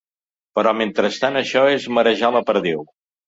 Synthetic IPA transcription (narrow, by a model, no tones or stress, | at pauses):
pəɾɔment̪ɾəst̪anəʃɔezməɾəʒaləpəɾðew